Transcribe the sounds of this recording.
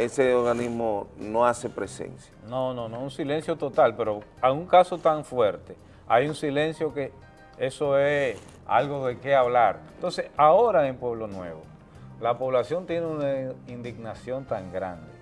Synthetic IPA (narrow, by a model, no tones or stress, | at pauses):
eseoɾɣanizmonoasepɾesḛnsjanõnõnounsile̞nsjo̞t̪o̞t̪alpe̞ɾoauŋkaso̞t̪aɱfwe̞ɾt̪e | a̰junsile̞nsjo̞ke̞ | eso̞es | a̰lɣo̞ðeke̞aβlaɾnt̪onse̞sao̞ɾaempwe̞β̞lo̞nwe̞̰βo | lapo̞βlasjo̞nt̪je̞neunaind̪iɡnasjo̞nt̪aŋɡɾa̰nd̪e